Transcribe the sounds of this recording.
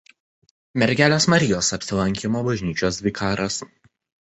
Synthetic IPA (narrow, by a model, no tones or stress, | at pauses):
mʲɛɾʲɡʲæːlʲoːsmɐɾʲɪjoːsɐpʲsʲɪlˠɐŋʲkʲɪmoːbɐʒʲnʲiːt͡ʃʲoːsʲʋʲɪkʰɑːɾɐs